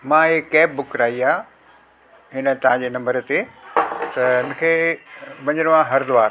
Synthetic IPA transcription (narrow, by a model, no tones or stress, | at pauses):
mãːekːɛːp̚bʊkɾaːiaː | ɦɪnə̆t̪ɐɦãd͡ʑeːnɐ̃mbəɾt̪et̪ɐɦɪnə̆kʰeːʋɐ̃ɲəɽ̃ʋãɦɐɾd̪ʊʋaːɾ